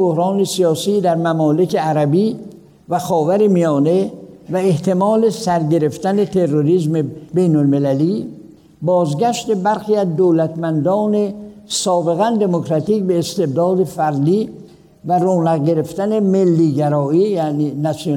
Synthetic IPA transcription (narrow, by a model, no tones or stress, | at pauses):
bohɾɒːne̞sijɒːsiːd̪æɾmæmɒːle̞kʰe̞æɾæbiː | væxɒːvæɾemijɒːnevæeht̪ʰe̞mɒːle̞sæɾɟe̞ɾe̞ft̪æne̞t̪ʰe̞rːoɾiːzmebe̞jnolme̞læliː | bɒːzɡæʃt̪e̞bæɾxiːæzd̪oːlæt̪mænd̪ɒːne̞sɒːbe̞ɣænd̪e̞mokʰɾæt̪iːcbe̞ːst̪e̞b̚d̪ɒːd̪e̞fæɾd̪iː | væroːnæɣɟe̞ɾe̞ft̪æne̞melːiːɟæɾɒːiːjæniːnæso